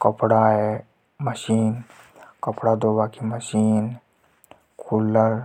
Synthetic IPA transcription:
kəpɽaɦe | məʃiːn | kəpɽad̪oːbakiməʃiːn | kʰulːəɾ

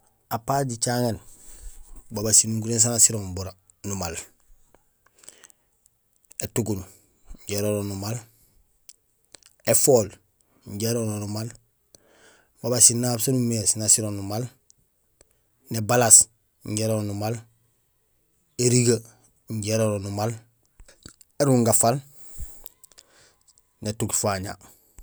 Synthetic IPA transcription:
apaːɟit͡ʃaŋen | babasinuɡuɾens̬anasiɾombuɾa | numal | etuɡun | ɲɟeɾononumal | efoːl | ɲɟeɾononumal | babasinaːbsanumeːsnasiɾonumal | nebalas | ɲɟeɾonumal | eɾiɡa | ɲɟeɾoɾonumal | eɾuŋɡafal | netukfaɲa̰

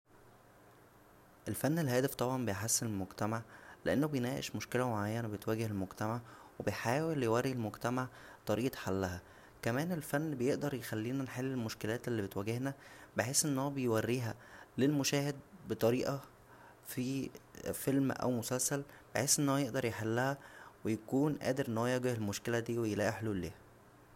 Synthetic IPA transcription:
ʔelfænːelhæːd̪æft̪ˤɑbʕɑmbejħasːenelmoɡt̪æmaʕleʔenːobejnæːʔḛʃmoʃkelæmoʕajːænæbet̪wæːɡehelmoɡt̪æmaʕwebejħaːweljewærːilmoɡt̪æmaʕ | t̪ˤɑɾiːʔħalːæɦæ | kæmæːnelfænːbejeʔd̪ɑɾˤjexælːiːnænħelːelmoʃkelæːt̪elːiːbet̪wæɡehnæbeħeːsʔenːhowæbejwærːiːɦælelmoʃæːhed̪̚bet̪ˤɑɾiːʔɑ | fiːfelmʔæ̰wmosælsælb̥eħeːsʔenːoːæjeʔd̪ɑɾˤjeħelːæhæwejækuːnʔæ̰ːd̪eɾnoːjæɡehelmoʃkelæd̪iːwejlæːʔiħluːlḛːhæ

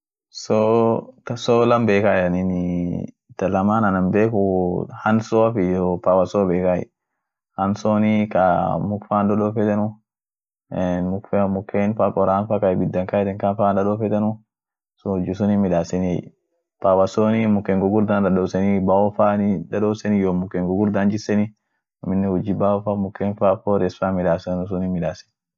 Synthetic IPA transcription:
sotsɔlɐmbeːkajɐnini | t̪ɐlɐmanɐnɐmbeːkuhɐnsɔafiopawasoːbeːkaḭ | hɐnsonikamʊkfandɔɗɔːfɛt̪ɛnʊ | mʊkfmʊkːenfakʼɔɾaːnfakabɪd̪ːɐŋkaɛt̪ɛŋkafaːndɐɗofɛt̪ɛnʊ | sd͡ʒisʊnimɪᶑaːsɛni | pawɐsoːnimʊkːeŋɡʊɡʊɾd̪andɐɗoːsɛnibaɔfaːnidɐɗoːsɛnijoːmʊkːeŋɡʊɡʊɾd̪and͡ʒɪsɛni | ɔmɪnːɛhʊd͡ʒːibawɔfamʊkːeːnfaːfoɾɛsfamɪᶑaːsɛnʊs̬ʊnimɪᶑaːsɛ̥n

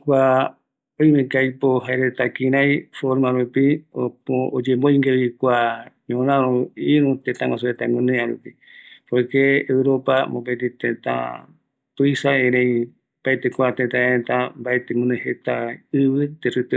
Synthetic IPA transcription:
kʷa | oj̃mẽkajpoɦaeɾet̪akĩɾajfoɾmaɾupiood͡ʒembojŋɡeβikʷaɲõɾ̃ãɾũiɾũt̪ẽt̪ãŋɡasuet̪amũnẽaɾupi | pojkeːwɾo̞pamõpet̪it̪ẽt̪a̰ | t̪ujsaẽɾẽj | paet̪ekʷat̪et̪ãeet̪ambaet̪emũnehet̪aɨβɨt̪eɾɨt̪

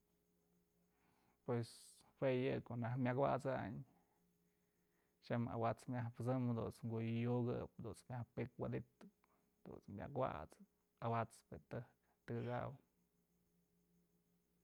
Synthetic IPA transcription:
pwes | hwejɨkonahmʲakwa̰t͡saɲ | t͡ʃama̰wat͡smʲahpɨt͡sɨmd̪ṵnt͡sŋɡujjuɡɨp̚d̪unt͡smjahpɨkwad̪it̪ːɨp̚ | d̪̥ṵt͡smʲja̰kwa̰t͡sɨ | awat͡spet̪ɨhk | t̪ɨɡɨɡa̰w

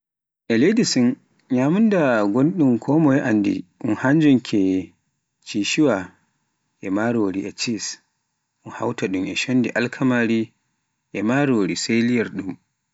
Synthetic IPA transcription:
ʔɛlejdisun | ɲaːmundaɡonɗumkʰɔmɔjɛʔandḭʔunhaɲd͡ʒunkʰɛ | t͡ʃiʃiwa | ʔɛmaɾoɾiʔɛt͡ʃis | ʔunha̰wtaɗumʔɛ̰ʃondiʔalkʰamaɾi | ʔɛmaɾoːɾiselijaɾɗum

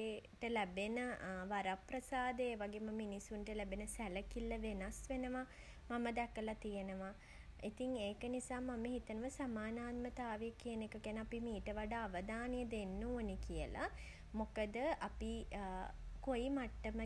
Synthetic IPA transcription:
eʈəlæbenəʋaɾaprəsaːd̪əeːʋaɡeːməminisuɳʈəlæbenəsæləkilːəʋenasʋenəʋa | maməd̪ɛkəlat̪ijənəʋa | it̪iŋeːkənisaːmaməɦit̪ənəʋəsamaːnaːt̪mət̪aːʋejəkiənekəkænəapimiːʈəʋaɖaːʋəd̪aːnijəd̪enːuonikijəla̰ | mokəd̪əʔapi | kojimaʈːəmə

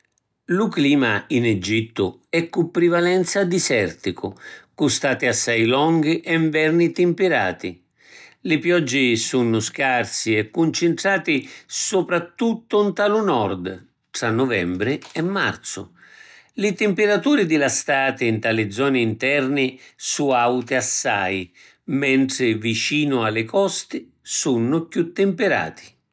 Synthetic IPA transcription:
lʊkliːmainɛd͡ʒit̪ːʊ | ɛkːupːɾivalɛnt̪sad̪isɛrt̪ikʊkust̪aːt̪iasːajlɔŋɡiʔɛɱvɛrnit̪ɪmpɪɾa̰ːt̪ḭ | lɪpjɔd͡ʒːisunːʊskarsiɛkːunt͡ʃɪnʈ̪ɾaːt̪isupɾat̪ːut̪ːʊnt̪alʊnɔrd̪ | t̪ɾanːʊvɛmbɾɪɛmːa̰rt̪sʊ̰ | lɪt̪ɪmpɪɾat̪uːɾɪd̪ɪlast̪aːt̪ɪint̪alɪd̪zːɔːnɪint̪ɛrnɪsuawt̪ɪasːa̰j | mɛnt̪ɾɪvit͡ʃiːnʊalːɪkɔst̪ɪ | sunːʊkjut̪ːɪmpɪɾa̰ːt̪ʰi̥

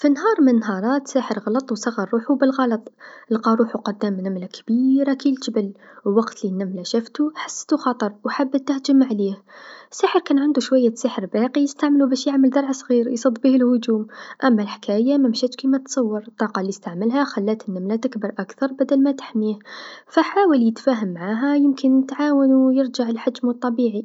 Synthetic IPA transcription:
finɦɑɾˤmənːɦɑɾˤɑt̪saħəɾˤɣɑlɑt̪ˤwsˤɑɣːɑɾˤːuħubəlɣɑlɑt̪ˤəlqɑɾˤuːħuqʊd̪ːæmnæmlakbiɾakilʒəbəlwwɑqt̪linːæmlæʃæft̪uħḁsːt̪uxɑt̪ˤəɾˤwħabːt̪ːahd͡ʒəmʕlihəsːaħəɾkænʕand̪uʃwæjːæsəħəɾbæqijəst̪aʕməlubæʃjaʕməld̪ɑɾˤʕsˤɣiɾjsˤɑd̪ˤːbihəlhʊd͡ʒ̪uːmʔæmːalħkʰæjamæmʃæːt̪ʃkimæt̪sˤɑwːɑɾˤt̪ˤːɑːqɑlːist̪aʕməlɦæxalːæːt̪ənːamlat̪ɪkbɑɾˤʔakθɑɾˤbæd̪ælmæt̪ḁħmihfaħaːwaljət̪fæːɦəmːaʕaɦæjɪmkɪnət̪ʕaːwənwjɪɾd͡ʒaʕəlħad͡ʒmət̪ˤːɑbiːʕi

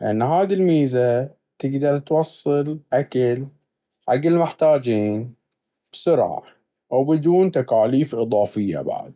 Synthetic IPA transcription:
lʔanːɦaːd̪ilmiːza | t̪ɪɡd̪ɑɾˤt̪wɑsˤːɨlʔakal | ʕaɡːɪlmɪħt̪aːd͡ʒiːn | b̥sʊɾʕa̰ | ʔawbɪd̪uːnt̪akaːliːfʔɨðˤɑːfɪjːa̰ba̰ʕ̰d̪̚

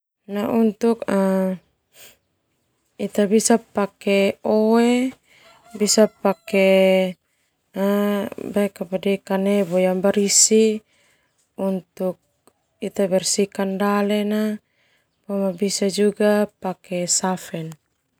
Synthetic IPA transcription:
naʔunt̪uk̚a | it̪abisapakɛoe | bisapake | bakapadikanɛbɔjambaɾisi | unt̪uk̚ | it̪abɛrsikandalɛna | bɔmabisad͡ʒuɡapakɛsafɛn

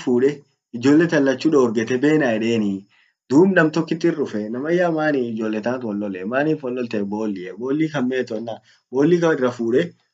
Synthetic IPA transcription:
fuːᶑɛ | ɪd͡ʒo̞ːlːɛt̪ɐlːɐt͡ʃːuːᶑɐɔɾɡɛt̪ɛbe̞ːnaːɛᶑeːnɪ | d̪uːbnɐmt̪ɔkːɪt̪ːɪrːʊfɛnɐmɐjːaːmaːnɪɪd͡ʒo̞ːlːɛt̪at̪wɔlːɔlɛmaːniːfɔlːɔlt̪ɛbo̞ːlːɪɛbo̞ːlːiːkɐmːeːt̪ɔnːa | bo̞ːlːiːkɐɪrːɐfuːᶑɛ

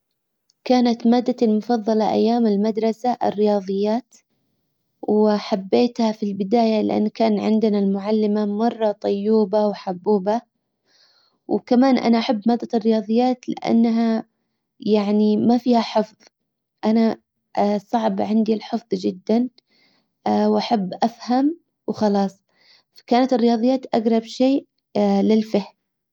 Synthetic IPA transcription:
kaːnat̪maːd̪ːalmʊfɑðˤːɑlɑʔa̰jːaːmɪlmad̪ɾˤɑsaʔɪ̰rːɪjɑːðˤɨjːaːt̪ | wħabːeːt̪hafilbɪd̪aːjalɪʔa̰nːkaːnʕɪnd̪ɪnalmʊʕalːɪmamɑrˤːɑt̪ˤɑjːuːbawħabːuːba | wkamaːnʔa̰naʔaħabːmaːd̪ːarːɪjɑːðˤɨjːaːt̪lɪʔa̰nːɦa | jaʕnimafiːhaħɨfðˤ | ʔana | sˤɑʕbʕɪnd̪ilħɨfðˤd͡ʒɪd̪ːan | wʔaħabːʔafham | wxɑlɑːsˤ | fḁkaːnat̪ɪrːɪjɑːðˤɨjːaːt̪ʔaɡɾˤɑbʃeː | lɪlfahm

